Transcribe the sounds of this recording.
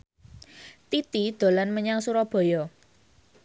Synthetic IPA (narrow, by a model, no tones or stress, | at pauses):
t̪it̪id̪̥o̤lanməɲaŋsuɾɔb̥ɔ̤jɔ